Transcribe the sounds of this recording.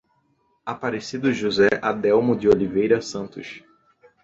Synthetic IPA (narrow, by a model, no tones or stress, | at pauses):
apaɾesid̪ʊʒuzɛʔad̪ɛwmʊd͡ʒɪolivejɾɐsɐ̃nt̪ʊ̰ʃ